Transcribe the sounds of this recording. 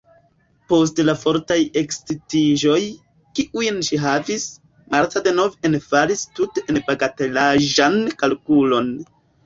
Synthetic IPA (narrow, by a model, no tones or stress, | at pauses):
po̞s̬tlafo̞ɾtaje̞kstitiʒo̞j | kiʔujnʃiɦavis | maɾtade̞no̞venfalistuteʔenpaɡate̞laʒankalkulo̞n